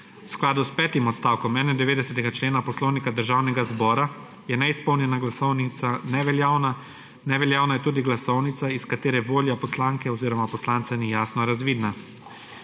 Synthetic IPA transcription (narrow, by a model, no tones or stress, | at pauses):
wsklaːd̪uspɛːt̪imɔt̪st̪awkɔmɛnɛd̪ɛʋeːd̪ɛsɛt̪ɛɡat͡ʃleːnapɔslɔwnikad̪əɾʒaːwnɛɡazbɔːɾa | jɛnɛispɔwnʲjɛnaɡlasɔwnisanɛʋɛljaːwna | nɛʋɛljaːwnajɛt̪uːd̪iɡlasɔwnit̪saiskat̪eːɾɛʋoːljɔpɔslaːŋkɛɔziːɾɔmapɔslaːnt̪sɛnijaːsnɔɾazʋiːd̪na